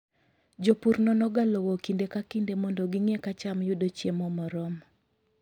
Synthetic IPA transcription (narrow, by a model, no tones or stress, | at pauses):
d͡ʒopuɾnɔnɔɡalɔwokindekakindemɔndɔɡɪŋekat͡ʃamjʊdot͡ʃjemɔmɔɾɔm